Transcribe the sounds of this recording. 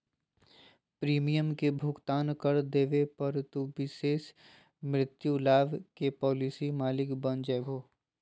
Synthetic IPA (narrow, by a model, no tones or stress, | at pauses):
pɾiːmijəmkebʱʊɡt̪aːnkəɾd̪eːʋepɐɾt̪uʋɪʃeːʃ | mɾɪt̪julaːʋkepɔːlisimaːlɪkbɐnd͡ʒɛːbʱoː